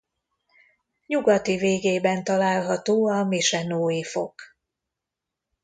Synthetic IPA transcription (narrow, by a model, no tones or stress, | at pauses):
ɲuɡɒt̪iveːɡeːbɛnt̪ɒlaːlɦɒt̪oːɒmiʃɛnoːjifo̞k